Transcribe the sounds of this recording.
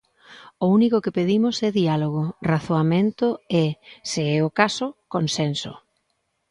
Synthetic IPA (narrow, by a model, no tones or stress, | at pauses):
ʊunikʊkɪpeðimʊsɛðialoɣʊraθoamẽnt̪ʊɛseɛʊkasʊkonsenso̰